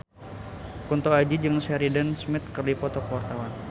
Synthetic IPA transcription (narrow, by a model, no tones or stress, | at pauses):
kunt̪oad͡ʒid͡ʒɨŋsɛɾidənsmɪt̪̚kərdipɔt̪ɔkəwart̪awan